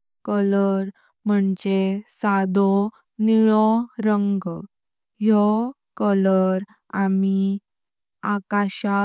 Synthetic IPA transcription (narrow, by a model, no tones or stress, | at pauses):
kələɾ | məɳd͡ʑesad̪ʱɔ | niɭɔɾəŋɡ | jɔ | kələɾ | ami | akaɕa